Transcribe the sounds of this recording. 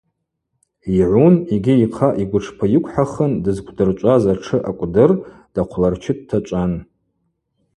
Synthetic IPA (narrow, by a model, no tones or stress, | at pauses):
iʕʷuniɡʲiiqʰaʔiɡʷʊʈ͡ʂʰpʰajɪkʷʰʼħaχəndɨzkʷʰʼdɨrt͡ʃʷʼazaʈ͡ʂʰɨʔakʷʼdɨrd̥aqʷʰlart͡ʃʰɪd̚tʰat͡ʃʷʼan